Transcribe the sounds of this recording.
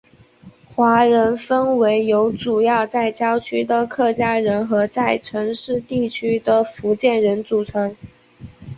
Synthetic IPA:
xwa˧˥ɻə˧˥nfə˥nwe˧˥ɪjo˧˥ʊʈ͡ʂu˨˩jɑ˥˧ʊt͡sa˥˩ɪt͡ɕjɑ˥ʊt͡ɕʰy˥d̪ə˨kʰɤ˥˩t͡ɕja˥ɻə˧˥nxɤ˧˥t͡sa˥˩ɪʈ͡ʂʰɤ˧˥ŋʂɻ̩˥˧t̪i˥˩t͡ɕʰy˥d̪ə˨fu˧˥t͡ɕjɛ˥˩nɻə˧˥nt͡su˨˩ʈ͡ʂʰɤ˧˥ŋ

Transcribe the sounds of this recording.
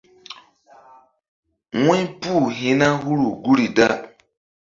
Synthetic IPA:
ŋũ˦ɲ˦pu˦˨ɦĩ˨˦na˦ɦu˦ɾu˨ɡu˦ɾi˨da˦

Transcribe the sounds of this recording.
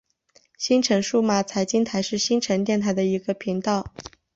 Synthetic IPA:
ɕi˥nʈ͡ʂʰə˧˥ŋʂu˥˩ma˥˩t͡sʰa˧˥ɪt͡ɕi˥nt̪ʰa˧˥ɪʂɻ̩˥˩ɕi˥nʈ͡ʂʰə˧˥nt̪jɛ˥˩nt̪ʰa˧˥ɪd̪ə˧i˧˥ɡə˧pʰi˧˥ŋt̪ɑ˥˩ʊ

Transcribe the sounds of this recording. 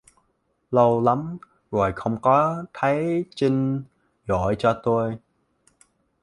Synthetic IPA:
lə˧wla˨˦m | ɣo˨˩jxə˧wŋ͡mkɔ˨˦t̪ʰa˨˦jt͡ɕi˧ŋ̟ | ɣɔ˧˩˨jt͡ɕɔ˧t̪o˧j

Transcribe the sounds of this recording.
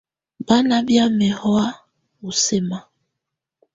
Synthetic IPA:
ba˦na˦bja˦mɛ˨hɔ˦a˦ | u˨se˦ma˦

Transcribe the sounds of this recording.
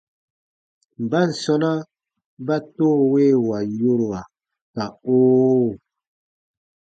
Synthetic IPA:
m˨ba˦n̩˨sɔ˧na˦ | ba˦to˦˨we˦˨wa˨jo˦ɾwa˨ | ka˨oː˦˨

